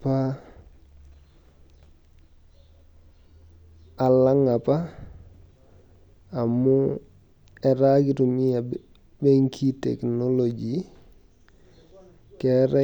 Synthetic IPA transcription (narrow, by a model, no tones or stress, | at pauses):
pa | alaŋapa | mu | eɾaɡiɾumia | beŋkʰitḛknolod͡ʒi | kɛɾɛ